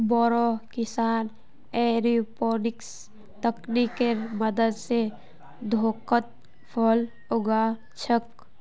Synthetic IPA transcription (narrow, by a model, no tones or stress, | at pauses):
bɔːɾokɪsaːn | eɾipoːnɪks | t̪əknikeməd̪əd̪se | d̪ʱoːkət̪̚ | pʰɔl | ʊɡaː | t͡ʃʰək